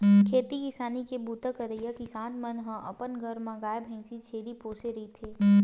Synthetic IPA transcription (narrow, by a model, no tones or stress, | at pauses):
kʰeːt̪ikɪsaːnikebuːt̪akəɾəijakisãːʈmənɦə̃ʔɐ̰pənɡəɾmãɡaːjbʱɛ̃ːŋsit͡ʃʰeːɾipoːseɾit̪ʰeː